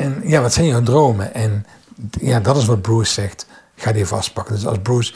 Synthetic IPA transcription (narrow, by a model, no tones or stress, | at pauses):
ɛnjaːʋɑtsɛjnjɔwdrowməʔɛn | jaːdɑtɪs̬ʋɑd̚brussɛxtxaːdivɑ̰st̚pɑkəndɵsɑ̰lˠzbɹuːs